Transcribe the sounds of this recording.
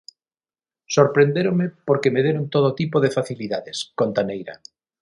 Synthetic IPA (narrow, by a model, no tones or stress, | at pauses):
soɾpɾend̪eɾomepoɾkemeðeɾont̪oðot̪ipoðefaθiliðaðeskont̪anejɾa̰